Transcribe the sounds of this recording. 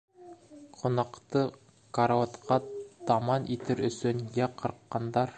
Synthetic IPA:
qʰŏnɑqt̪ɤ | kɐɾaɑt̪qʰɑt̪ɑmɑnʔit̪ɘɾɵ̆sɵnjæqʰɤ̆ɾqːɑnd̪ɑɾ

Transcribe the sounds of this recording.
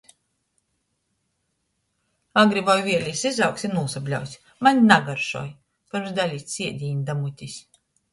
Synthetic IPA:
aɡɾibɔjvʲiɛlʲisizawksʲinuːsablʲa̰wsʲ | manʲnaɡaɾʃṵɔj | pɨɾmsd̪alʲiːt̪ʲsʲiɛd̪ʲiɲʲd̪amut̪ʲisʲ

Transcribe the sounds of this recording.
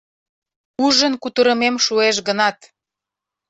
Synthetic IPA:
uʒənkut̪əɾəmemʃueʃ̬ɡənɑt̪

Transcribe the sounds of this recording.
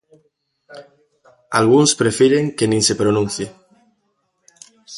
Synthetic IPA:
alɣunspɾefeɾeŋkenĩnsepɾonũn̟θje

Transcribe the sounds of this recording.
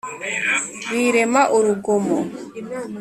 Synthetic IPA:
wiːɾemaʔuɾuɡomɔ

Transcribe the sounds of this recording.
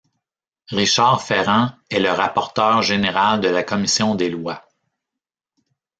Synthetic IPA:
ʁiʃaʁfɛʁɑ̃ɛləʁapɔʁt̪œːʁʒeneʁald̪əlakɔmisjɔ̃d̪elwa

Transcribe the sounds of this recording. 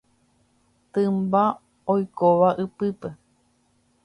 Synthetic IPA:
t̪ɨmba | ojkoʋaʔɨpɨpe

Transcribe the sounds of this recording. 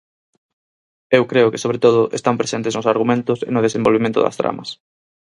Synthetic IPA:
ewkɾeʊkɪsoβɾet̪oð̞ʊʔḛst̪ampɾesent̪eznʊsaɾɣ̞umẽnt̪ʊsḛnʊðesẽmbolβemẽnt̪ʊ̰ðɐ̰st̪ɾa̰mɐ̰s

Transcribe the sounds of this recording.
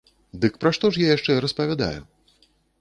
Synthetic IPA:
d̪ɨkpɾaʂt̪ɔʂjajaʂt͡ʂɛɾɐspɐvʲad̪a̰jṵ

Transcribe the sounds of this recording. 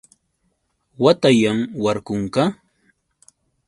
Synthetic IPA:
wat̪ajamwaɾkʊŋkɑ

